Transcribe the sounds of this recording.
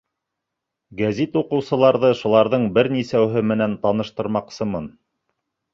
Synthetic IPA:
ɡæzit̪uqɤ̆wsɤ̆lˠɑɾðɤʃulˠɑɾðɤɴbɘɾnisæwɦɘmɘ̆nænt̪ɑn̪ɤ̆ʃt̪ɤ̆ɾmɑqsɤmɤn

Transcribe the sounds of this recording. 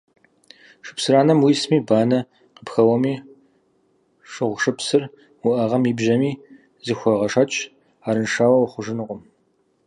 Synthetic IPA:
ʂɨ̥psɨɾaːnɐmwiːsmiːbaːnɐ | qəpxɐwɐmiː | ʂɨʁʷʂɨpsɨr | wʊʔɐʁɐmibʒɐmiː | zɨxʷɔʁɐʂɐt͡ʃʼ | aːɾɨnʂaːwɐwχʷʊʒɨnɨqʷʼʊm

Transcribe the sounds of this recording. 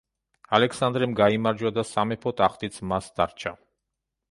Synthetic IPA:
alɛksand̪ɾɛmɡaimaɾd͡ʒwad̪asamɛpʰɔt̪ʼaχt̪ʼit̪sʰmasd̪̥aɾt͡ʃʰa

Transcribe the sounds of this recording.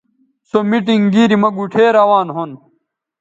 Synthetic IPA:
somiʈiŋɡiːɾimɐɡuʈʰeːɾɐwaːnɦon

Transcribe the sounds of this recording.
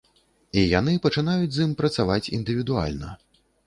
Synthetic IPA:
ijan̪ɨpɐt͡ʂɨnajud͡zʲzimpɾɐt̪savat͡sʲḭnd̪ɨvʲid̪ua̰lʲnɐ̰

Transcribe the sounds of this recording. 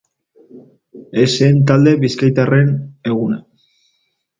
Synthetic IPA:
eseːnt̪̬ald̪e̞βiskajt̪are̞ne̞ɣ̞una̰

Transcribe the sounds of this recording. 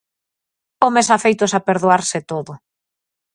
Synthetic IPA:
omesafejt̪osapeɾðoaɾsɪt̪oðʊ

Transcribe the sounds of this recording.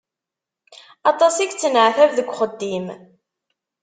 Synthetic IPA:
ɑt̪ˤɑsiɡt͡sːənʕθævðəɡʷːχəd̪ːim

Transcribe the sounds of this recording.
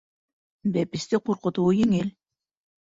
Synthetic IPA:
bepisd̪iqʰoɾqʊ̆t̪uːjiŋilʲ

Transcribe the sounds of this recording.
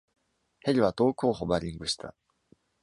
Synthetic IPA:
heɾʲiβat̪o̞ːkoːɦobaɾʲĩŋɡɯ̟ɕi̥t̪ʰa̰

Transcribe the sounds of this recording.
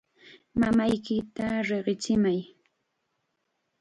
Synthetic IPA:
mamajkɪt̪aɾeɢɪt͡ʃɪmaj

